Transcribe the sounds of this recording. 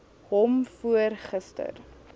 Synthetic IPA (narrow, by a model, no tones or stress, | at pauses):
ɦɔmfuərχəstə̰r